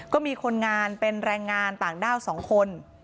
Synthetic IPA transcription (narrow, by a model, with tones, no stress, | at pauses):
kɔː˥˩miː˧kʰo˧nŋaː˧npe˧nɾɛː˧ŋːaː˧nt̪aː˨˩ŋdaː˥˩wsɔː˩˦ŋkʰo˧n